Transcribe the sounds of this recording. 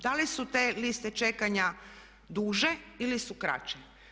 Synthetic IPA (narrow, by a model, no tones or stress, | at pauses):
d̪alisut̪elist̪et͡ʃe̞kaɲa | d̪uːʒe̞ilisukɾa̰t͡ʃe